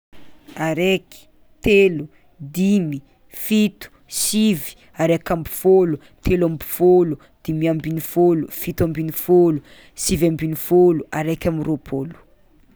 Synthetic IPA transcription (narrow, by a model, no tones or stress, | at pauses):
aɾeki̥ | t̪elu | d̪imi | fit̪u̥sivi̥ | aɾekʲambi̥folu | t̪ʰelambi̥folu | d̪̥imiambinifolufit̪uambinifolu | sivambinifoluaɾekʲamiropʰolu̥